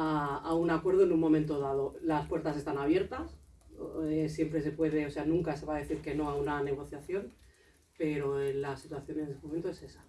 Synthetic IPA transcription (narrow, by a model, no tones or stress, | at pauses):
aaunakwe̞ɾð̞oenumõ̞ment̪oðað̞o̞laspwe̞ɾt̪as̬e̞st̪anaβje̞ɾt̪as | sje̞mpɾe̞se̞pwe̞ð̞e̞o̞se̞anũŋkase̞βaðe̞θiɾke̞no̞aunane̞ɣ̞o̞θjaθjo̞n | pe̞ɾo̞enlasit̪waθjo̞nenesemoment̪oe̞se̞sḁ